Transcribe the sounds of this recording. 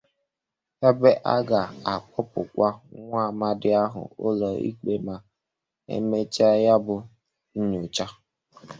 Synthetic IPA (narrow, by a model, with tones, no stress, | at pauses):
e˦be˦ʔa˦ɡa˨a˨k͡pʊ˦pʊ˨kʷa˦ŋʷaː˦˨ma˦dɪ˦a˦ɦʊ̰˨ʊ̰˦lɔ˨ḭ˦k͡pe˦ma˨ | ḛ˦me˦t͡ʃa˦ja˦bʊ˨ | ɲ̩˦ɲu˨t͡ʃa˦